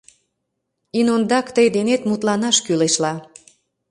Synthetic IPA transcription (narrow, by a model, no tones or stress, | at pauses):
inond̪ɑkt̪əjd̪enet̪mut̪lɑnɑʃkyleʃlɑ